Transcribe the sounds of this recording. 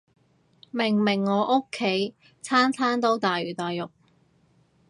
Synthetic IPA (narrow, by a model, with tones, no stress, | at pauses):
mɪ˨˩ŋmɪ˨˩ŋːɔː˨˧˥ʔʊ˥kʰːe˨˥j | t͡sʰaː˥nt͡sʰaː˥nt̪o˥wt̪aː˨jyː˨˩t̪aː˨jʊ˨k̚